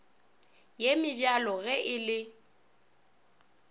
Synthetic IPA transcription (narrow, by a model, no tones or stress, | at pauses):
jemɪbjalɔɣɛʔɪlɪ